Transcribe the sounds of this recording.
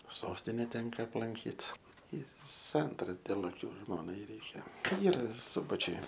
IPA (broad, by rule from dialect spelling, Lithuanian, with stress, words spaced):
ˈsoːsʲtʲɪnʲɛ ˈtʲɛŋkɐ ɐplˠɐŋʲˈkʲiːt ɪ ˈsɐntɐrɐ dʲeːlˠ ɐˈkʲʊ ˈʒmoːnɐɪ ˈrʲɛɪkʲɛ ˈiːrɐ ɪr ˈsʊbɐt͡ʃʲʊj